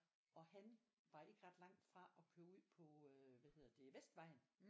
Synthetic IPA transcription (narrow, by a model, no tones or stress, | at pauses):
ɒ̽hæn | ʋɑ̈e̝ɡ̥əʁɑ̈d̥lɑ̈ŋ̰d̥fʁɑ̈ɒ̽kʰøːɐuð̰ˠpʰɒ̽ʋæhe̝ð̰ˠɐd̥e̝ʋesd̥ʋɑ̈ɪ̰n̩